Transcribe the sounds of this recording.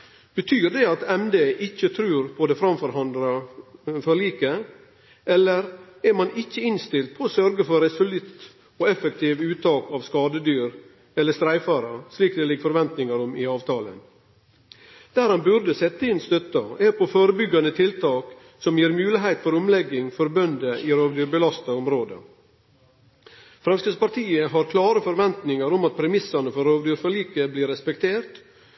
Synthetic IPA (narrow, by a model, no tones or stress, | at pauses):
b̥ət̪ʰyːɾd̪ɛɑt̪ɛmd̪eːʔɪçːət̪ʰɾʉːɾpʰɔd̪ɛfɾɑmfɔɾhɑnd̪ɾɑfɔɾɭiːkə | ɛlːəɾ | ɛɾmɑnɪçːəɪnst̪ɪlt̪̚pʰɔoːsœɾɡəfɔɾɛsʊlɪt̪ | oːɛfək̚t̪ʰiːʋʉːt̪ʰɑːkɑʋskɑːd̪əd̪yːɾ | ɛlːəst̪ɾæɪfɑɾɑsliːkd̪ɛlɪɡfɔɾʋɛnt̪nɪŋɑɾʊmɪɑːʋt̪ʰɑːlə̰n | d̪̥æːɾhɑnbʉɾd̪əsɛt̪ːəɪnst̪œt̪ɑɛpʰoføːɾəbʏɡːɑnət̪ʰɪlt̪ʰɑːk | sɔmjiːɾmʉːlɪɦæɪt̪fɔɾʊmlɛɡːɪŋfɔɾbœnd̪əʔɪːɾoːʋd̪yːɾbəlɑst̪ɑʊmɾoːd̪ə̰ | fɾɛmskəspɑʈ̪ʰiːəɦɑɾkʰlɑːɾəfɔɾʋɛnt̪nɪŋɑɾɔmɑt̪̚pʰɾɛmɪsɑnəfɔɾoːʋd̪yːɾfɔɭiːkəbliːɾɛspɛkt̪ʰeːɾt̪